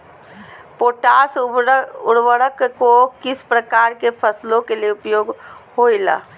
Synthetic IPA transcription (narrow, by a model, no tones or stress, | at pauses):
poːʈas | ʊɽwəɾəkkokɪspɾəkaːɾkepʰəslõkelieʊpjoːɡɦhoila̰ː